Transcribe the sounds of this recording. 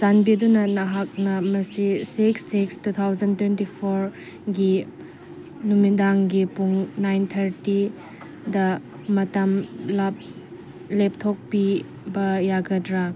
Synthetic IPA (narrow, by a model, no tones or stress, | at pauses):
sanbidunɐnɐɦak̚nɐmɐsisiksːikstut̪ʰawzɐntwentipʰoɾ | ɡi | numidaŋɡipuŋnajnt̪ʰɐɾti | dɐ | mɐtɐmlap̚ | lep̚tʰok̚pi | bɐjaɡɐdɾa